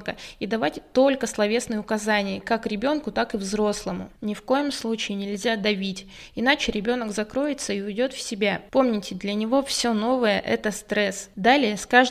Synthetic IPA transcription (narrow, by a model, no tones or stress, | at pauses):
kəid̪ɐvatʲt̪o̞lʲkəslˠɐvʲe̞snɨjəʊkɐzanʲɪjəkakɾʲɪbʲo̞nkʊt̪akɨvzɾo̞slˠəmʊ̰nʲɪfko̞jɪmslˠut͡ɕɪɪnʲɪlʲzʲad̪ɐvʲitʲ | ɪnat͡ɕɪɾʲɪbʲo̞nəɡzɐkɾo̞jɪt̪səiʊdʲo̞t̪fsʲɪbʲapo̞mnʲɪtʲɪd̪lʲənʲɪvo̞fsʲo̞no̞vəjə̰ʔɛ̰t̪əst̪ɾɛsd̪alʲɪjəskaʐ